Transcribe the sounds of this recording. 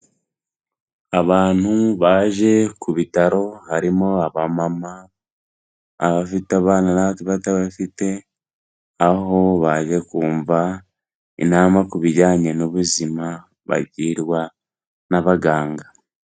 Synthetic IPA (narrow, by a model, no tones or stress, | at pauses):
aβaːn̥huβaːʒe̞kuβitaɾo̞haɾimoaβamama | βafiteaβaːnanaβatuβataβafite̞ | aɦo̞βaːʒe̞kuːɱva | ḭnaːmakuβiɾɟaːɲenoβuzima | βa̰ɟiɾwa | naβaɡaːŋɡa